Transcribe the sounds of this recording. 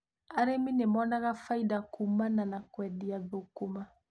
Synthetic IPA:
aɾemĩnemɔnaɡafaidakumananakwɛdijabokoma

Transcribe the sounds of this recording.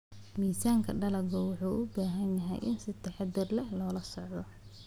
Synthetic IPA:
miːsaːŋkʰɐɖɐlɐɡɔwʊħuːʔʊbaːɦɐnjɐɦɛ̰jʔɪnsɪt̪ʰɐħɑd̪ɪrlɛhlɔːlɐsɔʕd̪ɔ

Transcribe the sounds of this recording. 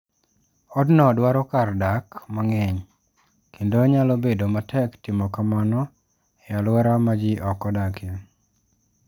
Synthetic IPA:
ɔdnɔdwaɾɔkardakmaŋɛɲ | kendoɲalɔbedomatʰɛktɪmɔkamanɔ | ɛjalwɛɾamad͡ʒiʔɔkɔdakja

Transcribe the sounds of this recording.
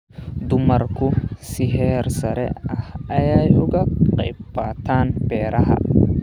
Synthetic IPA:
d̪ʊmɐɾkʊsɪɦɛːɾsɐɾɛ̰ɐhɐjaːjʊɡɐqɛ̰jbaːt̪aːnbɛːɾɐɦɐ̰

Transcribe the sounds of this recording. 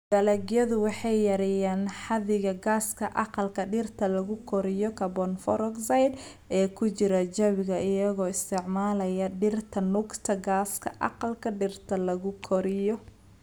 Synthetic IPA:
b̥ɐlɐɡjɐðʊwɑħɑjːɐɾɪjaːnħɑðɪɣɐɡaːskʰɐʔɑqɑlkʰɐɖɪrt̪ʰɐlɐɣʊkʰɔɾɪjɔkʰɐbɔnfɔɾɔɡsɐjd̪ | ɛːkʰʊt͡ʃɪɾɐd͡ʒɐβɪɣɐɪjɐɣɔːɪst̪ʰɪʕmaːlɐjɐɖɪrt̪ʰɐnʊɡt̪ʰɐɡaːskʰɐ̰ʔɑ̰qɑlkʰɐɖɪrt̪ʰɐlɐɣʊkʰɔɾɪjɔ

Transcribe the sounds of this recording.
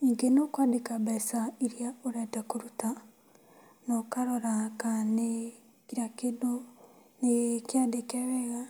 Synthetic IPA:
iŋɡenokwadekabɛsaiɾiaoɾɛtakuɾuta | nokaɾɔɾakane | kiɾakedo | nekjadekeβɛɣa

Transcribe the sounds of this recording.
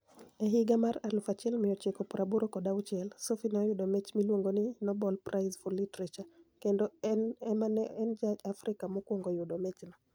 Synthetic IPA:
ɛɦiɡamaɾalufat͡ʃɛlmɪɔt͡ʃekɔpuɾʔabuɾɔkɔdawt͡ʃɛlsofinɔjʊɗɔmɛt͡ʃmilwoŋɡoninɔbɔlprʔaɪzfulitɾet͡ʃakendɔɛmaɛnd͡ʒaafɾikamɔkwoŋɡɔjʊdɔmɛt͡ʃnɔ

